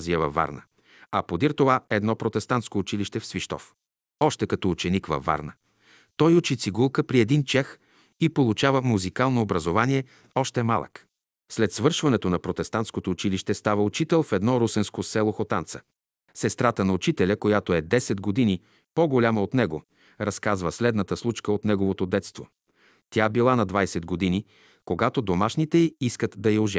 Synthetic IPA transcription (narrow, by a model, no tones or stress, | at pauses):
ziəvɐvːa̰ɾnə | ɐpod̪iɾt̪ovaɛd̪nɔpɾot̪ɛst̪ant̪skoːt͡ʃiliʃt̪ɛfsviʃt̪ɔ̰f | ɔʃt̪ɛkɐt̪ɔut͡ʃɛnikvɐ̰vːa̰ɾnə | t̪ɔjut͡ʃit̪siɡulˠkəpɾiɛd̪int͡ʃɛx | ipolˠut͡ʃavəmuzikalˠnoːbɾɐzovaniɛ | ɔʃt̪ɛmalˠə̰k | slɛt̪svɤɾʃvɐnɛt̪onɐpɾot̪ɛst̪ant̪skot̪oːt͡ʃiliʃt̪ɛst̪avəʊt͡ʃit̪ɛlˠfɛd̪nɔɾusɛnskosɛlˠoxot̪ant̪sə̥ | sɛst̪ɾat̪ənɐut͡ʃit̪ɛlʲəkojat̪oɛd̪ɛsɛd̪ɡod̪ini | poɡolʲaməot̪nɛɡo | ɾɐskazvəslɛd̪nət̪əslˠut͡ʃkəot̪nɛɡovot̪od̪ɛt̪st̪vo | t̪ʲjabilˠanɐd̪vajsɛd̪ɡod̪ini | koɡat̪od̪omaʃnit̪ɛiiskət̪d̪ɐjioʒɛ